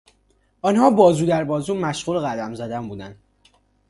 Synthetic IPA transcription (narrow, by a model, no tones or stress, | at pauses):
ɒnhɒːbɒːzuːd̪æɾbɒːzuːmæʃɣuːleɣæd̪æmzæd̪æmbuːd̪ænd̪